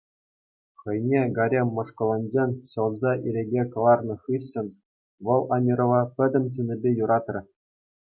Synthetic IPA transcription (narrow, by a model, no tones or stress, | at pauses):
χɤ̆jnʲeɡɑɾʲemʲːŏʂkŏlˠonʲd͡ʑʲenʲɕɤ̆lˠzɑʔiɾʲeɡʲekɤ̆lˠɑrnɤ̆χɯɕːɘ̆n | ʋɤ̆lˠɑmʲiɾŏʋɑpʲɘ̆d̪ʲɘ̆mʲt͡ɕunʲɘ̆bʲejuɾɑt̪rʲɘ̆